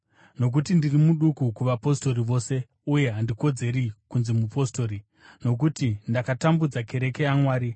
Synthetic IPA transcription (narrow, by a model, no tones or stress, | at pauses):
no̞k̬utindirimuɗukukuʋapo̞sto̞ɾiʋo̞ːse̞ | uje̞ɦandiko̞d͡ze̞ɾikunzemupo̞sto̞ːɾi | no̞k̬utindakatambud͡zake̞ɾe̞ke̞amwaːɾi